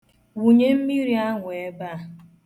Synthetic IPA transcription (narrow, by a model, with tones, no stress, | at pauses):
wu˨ɲe˦m̩˦mi˦ɾi˦a˦ŋʷʊ˨e˦ba˦˨